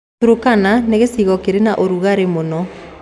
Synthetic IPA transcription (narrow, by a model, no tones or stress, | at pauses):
uɾokananeɣesiɣɔkeɾenaʔoɾuɣaɾemonɔ